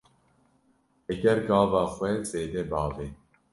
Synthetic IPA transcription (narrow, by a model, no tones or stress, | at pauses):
eɡɛɾɡɑːvɑːxʷwɛzeːd̪ɛbɑːve